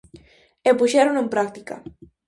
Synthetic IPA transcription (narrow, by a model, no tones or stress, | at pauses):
epuʃɛɾonempɾak̚t̪ika̰